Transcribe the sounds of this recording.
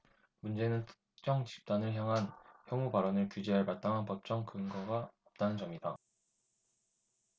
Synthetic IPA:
mund͡ʑe̞nɯntʰɯ̥ | t͡ɕ͈ʌŋt͡ɕi̥p̚t͈anɯɭçjaŋɦançjʌŋubaɾʌnɯɭkud͡ʑeɦaɭmat̚t͈aŋɦanpʌp̚t͡ɕ͈ʌŋkɯŋɡʌɡaʌp̚t͈anɯnt͡ɕʌmiida

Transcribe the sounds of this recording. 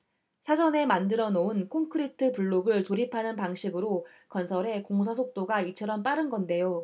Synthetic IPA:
sʰad͡ʑʌne̞mandɯɾʌnounkʰoŋkʰɯɾitʰɯpuɭːoɡɯɭt͡ɕoɾipʰanɯnpaŋɕʰiɡɯɾo | kʌnsʰʌɾe̞koŋos̬ʰas̬ʰok̚t͈oɡait͡ɕʰʌɾʌmp͈aɾɯnɡʌnde̞jo

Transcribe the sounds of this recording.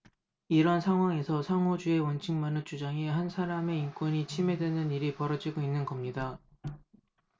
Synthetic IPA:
iɾʌnsʰaŋɦwaŋe̞sʰʌsʰaŋod͡ʑue̞wʌnt͡ɕʰiŋmanɯɭt͡ɕ͈ʰud͡ʑaŋehansʰaɾame̞ink͈wʌɲit͡ɕʰime̞dwe̞nɯniɾipʌɾʌd͡ʑiɡoinːɯnɡʌmɲida

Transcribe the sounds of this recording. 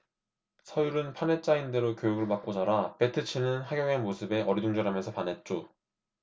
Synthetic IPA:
sʰʌjuɾɯnpʰane̞t̚t͡ɕ͈ainde̞ɾokʲjojuɡɯɭmak̚k͈ot͡ɕaɾape̞tʰɯt͡ɕʰinɯnɦaɡjʌŋemosʰɯbe̞ʔʌɾidoŋd͡ʑʌɾamensʰʌpanɦe̞t̚t͡ɕ͈o

